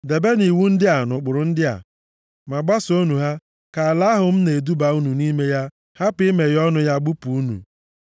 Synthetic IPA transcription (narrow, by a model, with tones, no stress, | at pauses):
de˨be˦ni˨wu˦n̩˦dɪ˦a˨nʊ˨k͡pʊ˨ɾʊ˨n̩˦dɪ˦a̰˨ | ma˨ɡ͡ba˦so˦nu˨ɦa˦ | ka˨a˨la˦ɦʊ˨m̩˦ne˨du˦ba˨u˦nu˨ni˦me˦ja˦ | ha˦pɪ˦me˨ɾjɔ˦nʊ˦ja˦ɡ͡bu˦pu˨u˦nṵ˨